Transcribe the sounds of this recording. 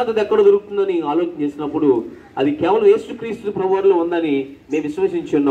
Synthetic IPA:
t̪ɐd̪ɛkːɐɽɐd̪oɾuɡut̪und̪ɐniaːlo̞ːt͡ʃɐɲt͡ʃe̞ːsinɐpːuɽu | ɐd̪ikɛːʋɐlɐme̞ːsukɾiːst̪upɾɐʋaɾlound̪ɐnime̞ːmʋiʃʋɐʂiɲt͡ʃunː

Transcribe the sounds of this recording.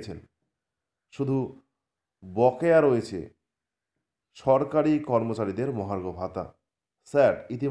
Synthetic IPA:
t͡ɕʰen | ʃud̪ʱu | bɔkeaɾoet͡ɕʰḛ | ʃɔɾkaɾikɔɾmot͡ɕaɾid̪eɾmɔɦaɾɡʱobʱat̪a̰ | sɛʈit̪̬i

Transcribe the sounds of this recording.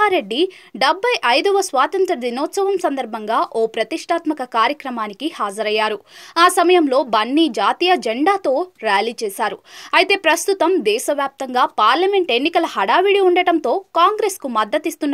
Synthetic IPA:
aːɾe̞ɖːi | ɖɐbʱːɐjʔɐjd̪ɐʋɐsʋaːt̪ɐnt̪ɾɐd̪inɔːt̪sɐʋɐmsɐnd̪ɐɾbʱɐŋɡaːʔoːpɾɐt̪iʂʈʰaːt̪mɐkɐkaːɾjɐkɾɐmaːnikihaːd͡ʒɐɾɐjːaːɾuaːsɐmɐjɐmlo̞ːbɐɳːid͡ʒaːt̪iːjɐd͡ʒeɳɖaːt̪o̞ːɾjaːliːt͡ʃɛːsaːɾuɐjt̪e̞ːpɾɐst̪ut̪ɐmd̪ɛːʃɐʋjaːp̚t̪ɐŋɡaːpaːɾlɐme̞ɳʈe̞nːikɐlɐhɐɽaːʋiɽiuɳɖɐʈɐnt̪o̞ːkaːŋɡɾe̞ːskumɐd̪ːɐt̪ist̪unː

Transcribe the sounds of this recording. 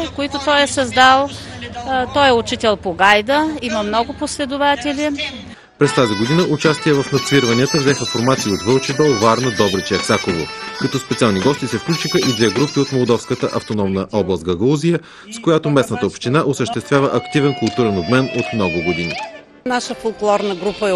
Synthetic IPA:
koit̪ʊt̪ɔjɛsɐzd̪alˠ | t̪ɔjɛʊt͡ʃit̪ɛlˠpoɡajd̪əiməmnɔɡʊposlɛd̪ʊvat̪ʲɛlʲi | pɾɛst̪aziɡod̪inəʔʊt͡ʃast̪iɛvɐfnɐt̪sviɾvɐniət̪əvzɛxəfoɾmat̪siːot̪vəlˠt͡ʃid̪ɔvaɾnəd̪ɔbɾɛt͡ʃiɛksakovo̰kɐt̪ɔspɛt̪sialˠniɡɔst̪isɛfklʲut͡ʃixəʔid̪vɛɡɾupiot̪molˠd̪ɔfskət̪ə̰ʔɐft̪onɔmnəʔɔblˠəst̪ɡɐɡˠuzijə | skojat̪omɛsnət̪əopʃt̪inaʔosəʃt̪ɛst̪vʲjavəʔɐkt̪ivɛnkʊlˠt̪uɾɛnobmɛnot̪mnɔɡʊɡod̪inḭ | naʃəfolˠklˠɔɾnəɡɾupəɛ

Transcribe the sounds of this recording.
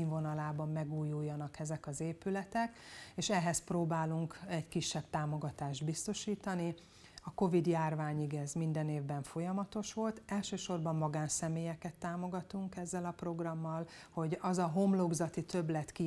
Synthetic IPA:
iɱvo̞nɒlaːbɒmːɛɡuːjːujːɒnɒkɛzɛkɒzeːpylɛt̪ɛkeːʃɛɦɛsproːbaːluŋkɛɟkiʃːɛb̚t̪aːmo̞ɡɒt̪aːʒd̪bist̪o̞ʃiːt̪ɒni | ɒko̞vid̪jaːrvaːɲiɡɛzmind̪ɛneːvbɛɱfo̞jɒmɒt̪o̞ʃʋo̞lt̪ɛlʃøːʃo̞rbɒmːɒɡaːnsɛmeːjɛkɛt̪ːaːmo̞ɡɒt̪uŋkɛzːɛlɒpro̞ɡrɒmːɒlho̞ɟɒzɒɦo̞mlobzɒt̪it̪øblɛt̪ki

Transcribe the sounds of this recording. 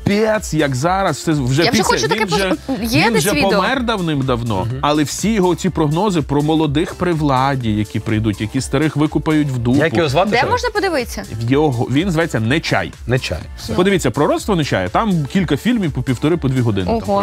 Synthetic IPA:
pʲɛt̪sjɐkzɑɾɐssɛwʒɛaiɛxɔt͡ʃʊtʋɐikɛʒɛjɛinʒɛʋʲipɔmɛrd̪ɐwnɪmd̪ɐwnɔ̰ɐlˠɛwsʲijɔɦɔt͡sʲipɾɔɦnɔzɪpɾɔmɔlˠɔd̪ɪxpɾɪʋlˠɑdʲijɐkʲipɾɪjd̪utʲjɐkʲist̪ɐɾɪxʋɪkʊpɐjʊtʲwd̪ujakjɔɦɔzʋat̪d̪ɛmɔʒnɐpɔd̪ɪʋɪt͡sʲːɐjɔɦɔʋʲinzʋɐjɛt͡sʲːɐnɛt͡ʃɑ̰j | nɛt͡ʃa̰jspɔd̪ɪʋʲit͡sʲːɐpɾɔɾɔt̪st̪ʋɔnɛt͡ʃɑ̰jɛt̪ɑmkʲilʲkɐfʲilʲmʲiwpɔpʲiwt̪ɔɾɪpɔd̪ʋʲiɦɔd̪ɪnɪt̪ɔ

